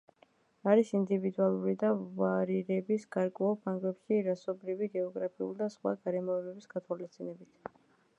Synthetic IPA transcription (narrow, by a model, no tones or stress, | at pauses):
aɾisind̪ivid̪ualˠuɾid̪avaɾiɾɛbisɡ̥aɾkʼwɛulˠpʰaŋɡlɛpʃiɾasɔbɾiviɡɛɔɡɾapʰiṵlˠd̪asχwa̰ɡaɾɛmɔɛbɛbisɡat̪ʰwalist̪sʼinɛbit̪ʰ